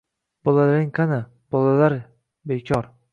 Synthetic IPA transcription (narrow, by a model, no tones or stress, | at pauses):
b̥ɒlalaɾɪŋqʰana | b̥ɒlalaɾ | bekʲʰɒɾ